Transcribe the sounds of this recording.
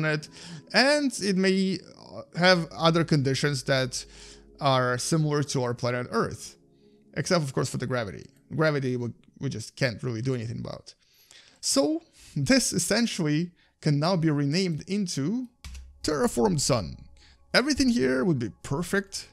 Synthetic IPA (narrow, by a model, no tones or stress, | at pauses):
nɪtɨ̃ndɪt̚meɪ | hɨvʌðə˞kɨ̃ndɪʃɨ̃nzðɨɾ | a˞sɪ̃ml̩ˠə˞ɾəaʊə˞pʰl̥æñɨɾɜ̰˞θ | ʔɨ̰ksɛp̚tʌv̥kʰɔɹsfə˞ðɨɡɹævɨ̰ɾḭ | ɡ̥ɹævɨɾiwi | wid͡ʒʌskʰæ̃ntɹɪlˠidɨɛniθɪ̃ŋə̰ba̰ʊt | soʊ | ðɪsɨsɛ̃nʃl̩ˠi | kʰɨ̃nːaʊbiɹinẽɪ̃mdɪ̃ntʰʉ | tʰɛɹɨfɔɹmd̥sʌ̰̃n | ɛvɹiθɪ̃ŋhiɹwəd̚bipʰɜ˞fɪk̚t